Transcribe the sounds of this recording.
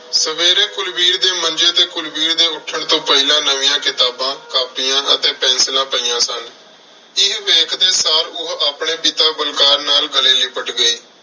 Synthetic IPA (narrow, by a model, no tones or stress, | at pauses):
səʋeːɾẽːkʊlbiːɾd̪eːmənd͡ʒeːt̪eːkʊlbiːɾd̪eːʊʈʰːəɳt̪õːpəɪlãːnəʋɪ̃jãːkɪt̪aːbãːkaːpijãːʔə̰t̪eːpɛ̃ːnslãːpəijãːsən | ɪɦʋeːkʰd̪eːsaːɾʊɦaːpɳeːpit̪ãːbəlkaːɾnaːlɡəleːliːpəʈɡəiː